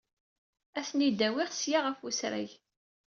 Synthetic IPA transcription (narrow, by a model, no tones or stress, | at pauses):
æθnid̪æwɪʁsjaʁəfusɾæ̰j